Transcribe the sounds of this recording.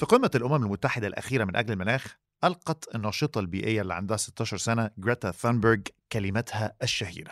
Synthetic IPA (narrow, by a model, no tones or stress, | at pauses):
fiqimːælʔʊmæmælmʊt̪ːaħɪd̪ælʔæ̰xiːɾæmɪnʔæɡlɪlmɪnæːx | ʔɑlqɑt̪ɪnːɑːʃɨt̪ˤɑlbiːʔɪjːælːiʕa̰nd̪æhæsɪ̥t̪ːɑːʃɑɾˤsænæɡɾæt̪æfænboɾɡkælɪmæt̪hææʃːæhḭːɾæ